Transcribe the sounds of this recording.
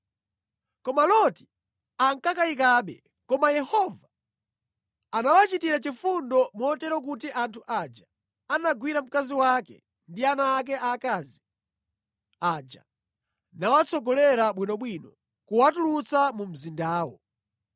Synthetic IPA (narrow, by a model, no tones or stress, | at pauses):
kɔmalɔti̥ | aŋkakaik̬aːɓɛ̰ | kɔmajɛhɔva | anawat͡ʃitiɾat͡ʃifundɔmɔtɛɾɔk̬ut̬iʔantʰuʔad͡ʒa | anaɡwiɾam̩kaziwakɛ̰ | ndianaːk̬ɛʔakaːzi | ad͡ʒa̰ | nawat͡sʰɔɡɔlɛɾaɓwinɔɓwinɔ | kuwatulut͡samum̩zindaːwɔ̰